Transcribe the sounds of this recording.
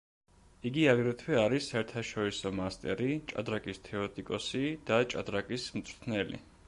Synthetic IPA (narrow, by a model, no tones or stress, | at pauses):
iɡiaɡɾɛt̪ʰwɛaɾisːaɛɾt̪ʰaʃɔɾisɔmast̪ʼɛ̰ɾit͡ʃʼa̰d̪ɾakʼist̪ʰɛɔt̪ʼikʼɔsid̪̥at͡ʃʼa̰d̪ɾakʼismt̪sʼt̪ʰnɛlḭ